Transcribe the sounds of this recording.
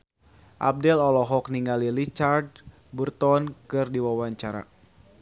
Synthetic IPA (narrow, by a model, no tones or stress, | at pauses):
ʔa̰b̚dɛlɔlɔɦɔk̚niŋɡalilit͡ʃard̚ | burt̪ɔnkɨrdiwawaɲt͡ʃaɾa̰